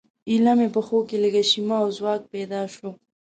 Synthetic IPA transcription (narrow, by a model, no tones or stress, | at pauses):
ilamepəxokeləɡaʃimaːwzwɑk̚ped̪ɑʃo